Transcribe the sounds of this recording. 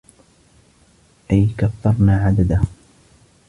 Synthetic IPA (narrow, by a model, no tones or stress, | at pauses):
ʔajkaθːɑɾˤnaːʕad̪ad̪a